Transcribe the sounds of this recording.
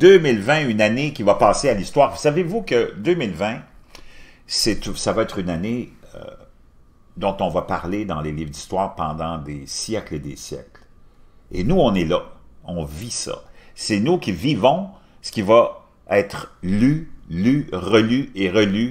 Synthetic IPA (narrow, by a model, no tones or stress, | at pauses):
d̪ømilvɛ̃ynanekʲivapɑːsealist̪waːʁsavevukəd̪ømilvɛ̃ | sɛt̪savaɛt̪ʁynaneø̰ | d̪ɔ̃t̪ɔ̃vapaʁled̪ɑ̃leliːvʁd̪ist̪waːʁpɑ̃d̪ɑ̃d̪esjɛkled̪ḛsjɛ̰kl | ḛnuɔ̃nɛlaɔ̃visa̰sɛnukʲivivɔ̃ | sə̥kʲiva | ɛːt̪χlylyʁəlyeʁəly